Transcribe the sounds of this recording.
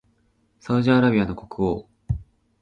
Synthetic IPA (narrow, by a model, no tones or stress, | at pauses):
saɯ̟ʑiaːɾabʲiano̞ko̞kɯ̟o̰ː